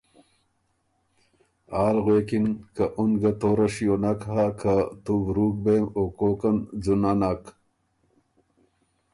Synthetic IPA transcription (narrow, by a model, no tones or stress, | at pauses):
aːlɣekinkaʔunɡat̪oːɾaʂijonakɦakʰat̪uvɾuːk̚bemoːkoːkand͡zunanak